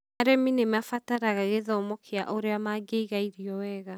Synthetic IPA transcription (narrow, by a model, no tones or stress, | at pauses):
aɾɛminemafataɾaɣaɣeðɔmɔkʰea̰ʔoɾeamaɡeiɣaiɾiɔwɛɣa